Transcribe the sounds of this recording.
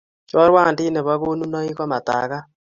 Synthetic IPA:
t͡ʃɔ˦ɾwa˦˨ndɪ˦nɛ˨βa˦ɣo˦nu˦nɔ˦i˦kɔ˦ma˨ta̰˨ɣa˦

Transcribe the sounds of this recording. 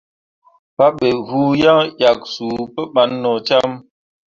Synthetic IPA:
pa˦ɓe˨vu˦ja˦ŋja˨k̚su˨˦pə˦ɓa˨˦nːɔ˨t͡ʃa˦m

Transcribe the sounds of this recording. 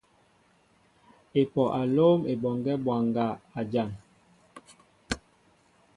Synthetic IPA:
e˨pɔ˨ʔa˨loː˦me˨bɔ˨ŋɡɛ˦bwa˨ŋɡa˨a˨d͡ʒa˨ŋ

